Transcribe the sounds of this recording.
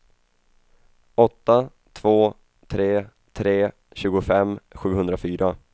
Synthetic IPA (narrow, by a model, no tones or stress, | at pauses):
ɔt̪ːa | t̪ʰv̥oː | t̪ʰɾeː | t̪ʰɾeː | ɕʉ̟ːɡʊfɛmːɧʉ̟ːhɵnd̪ɾafyːɾa